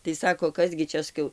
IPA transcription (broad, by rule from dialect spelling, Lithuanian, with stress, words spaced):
tɐɪ ˈsɑːkoː ˈkɐs ɡʲɪ ˈt͡ʃʲɛ sɐˈkʲɛʊ